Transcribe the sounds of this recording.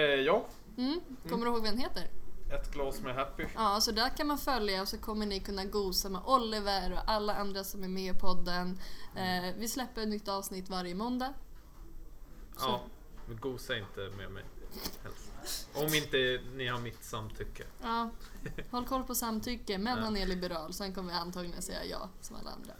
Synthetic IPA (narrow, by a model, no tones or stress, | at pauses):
jɑː | m̩ː | kʰɔmːəɾɪhoːɡvɛnheːt̪əɾɛt̪ɡlɑːsmɛɦɛpːɪɑːsɔd̪æɾkʰanmanfœljaɔsɔkʰɔmːəɳɪkʰɵnːaɡuːsamɛʔɔlːɪvəɾɔʔalːaand̪ɾasɔmæɾmeːɪpʰɔd̪ːənː | vɪslɛpːəɾɛt̪nʏt̪ːɑːvsnɪt̪ːvaɾjəmɔnd̪a | ɑ | ɡuːsaɪnt̪əmḛmɛ̰jhɛ̰lsʔɔmɪnt̪ənɪhaɾmɪt̪samːt̪ʰʏkːəɑːhɔlːkʰɔlːpʰɔsamːt̪ʰʏkːəmɛnːanːɛɭɪbəɾɑːlsɔɛnkʰɔmːəvɪant̪ʰɑːɡlɪnat̪sɛjːa̰jɑ̰ːsɔma̰lːa̰a̰nd̪ɾa̰